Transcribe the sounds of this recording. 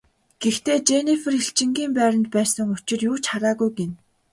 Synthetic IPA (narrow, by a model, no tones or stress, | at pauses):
ɡ̥ext̪eːt͡ɕenif̆riɬt͡ɕɪ̆ŋɡiːmpæːɾə̆nt̪̚pæːsə̆ŋʊt͡ɕɪ̆rjuːt͡ɕχaɾaːɣujɡen